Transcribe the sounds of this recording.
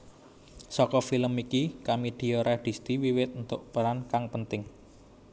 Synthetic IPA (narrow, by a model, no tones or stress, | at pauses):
sɔkɔfiləmikikamid̪̥i̤oɾʔaɖ̪̥i̤st̪iwiwɪt̪̚unt̪ʊʔpəɾankaŋpənt̪ɪŋ